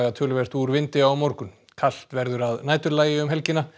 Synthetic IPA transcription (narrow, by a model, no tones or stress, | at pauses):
ɣat̪ʰʏːlʏvɛst̪uɾvɪnt̪ɪawmoɾkʏn | kʰal̥t̪vɛɾðʏɾaðnaːjt̪ʏɾlaːjɪʏmɦɛlcɪna